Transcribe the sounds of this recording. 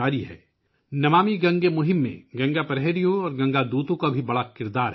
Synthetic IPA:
aːɾiɦɛ̰ː | nɐmaːmiɡɐ̃ŋɡemʊɦɪ̃mːḛ̃ɡɐ̃ŋɡapɐɾɦɛːɾijõɔːɾɡɐ̃ŋɡad̪uːt̪õkabʱibɐɽakɪɾd̪aːɾɦ

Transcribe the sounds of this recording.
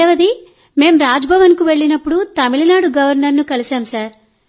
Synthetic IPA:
ɛʋɐd̪i | me̞ːmɾaːd͡ʒbʱɐʋɐnkuʋe̞ɭːinɐpːuɽut̪ɐmilɐnaːɽuɡɐʋɐɾnɐɾnukɐlisaːmsaːɾ

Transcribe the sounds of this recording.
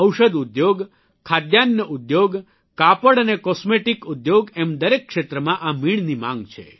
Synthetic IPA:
əwʃəd̪ud̪joɡ | kʰad̪janjəʔud̪joɡ | kapəɽənekɔsmeʈikud̪joɡɛmd̪əɾekːʃet̪ɾəmãʔamiɳ̃nimã̰ŋɡt͡ʃʰḛ

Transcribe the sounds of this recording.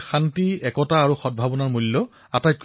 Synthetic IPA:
xantiɛkɔtaːɹuxɔd̚bʱabɔnaɹmulːɔ | atajt̚k

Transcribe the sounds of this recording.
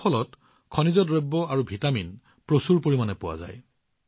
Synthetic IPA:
ɔlɔt | kʰɔnizɔtɹɔbːɔaɹubʱitamin | pɹosuɹpoɹimanɛpʊwa̰za̰j

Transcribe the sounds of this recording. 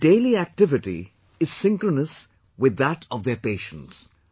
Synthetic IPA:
ɖ̥eːliæk̚ʈɪʋɪʈḭ | ɪz̥sɪ̃ŋkɾənəs | wɪd̪ːæʈʰɔʋd̪epeːʃə̰̃ns

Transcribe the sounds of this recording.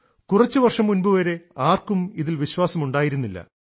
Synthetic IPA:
kurɐt͡ɕːuʋɐrʂɐmːunbuʋɐɾe̞aːrkumiðilʋiɕwaːsɐmuɳɖaːjiɾunːilːɐ̰

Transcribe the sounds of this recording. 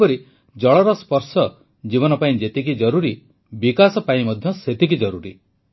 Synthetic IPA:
ɔɾi | d͡ʒɔɭɔɾɔspɔɾsɔ | d͡ʒiβɔnɔpaĩd͡ʒet̪ik̬id͡ʒɔɾuɾi | bikasɔpaĩmɔd̪ʱjɔset̪ik̬id͡ʒɔɾuɾi

